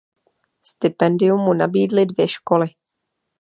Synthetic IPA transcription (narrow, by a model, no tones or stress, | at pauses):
st̪ɪpɛndɪjumːunabiːdlɪdvjɛʃko̞lɪ